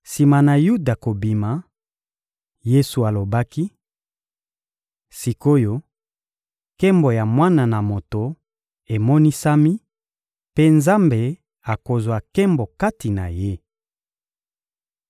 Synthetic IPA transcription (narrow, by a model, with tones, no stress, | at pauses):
si˨ma˨na˨ju˦da˨ko˨bi˨ma˨ | je˦su˨a˨lo˨ba˦ki˦ | si˨ko˦jo˦ | kɛ˦mbo˨ja˨mwa˦na˨na˨mo˨to˨ | e˨mɔ˦ni˦sa˦mi˦ | pe˦nza˦mbe˨ | a˨ko˨zwa˨kɛ˦mbɔ˨ka˦ti˨na˨je˦